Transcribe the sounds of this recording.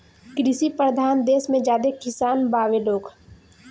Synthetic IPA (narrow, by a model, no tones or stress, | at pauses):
kɾɪsipɾəd̪ʱaːnd̪eːsmẽd͡ʒaːd̪ekɪsaːnbaːʋeloːk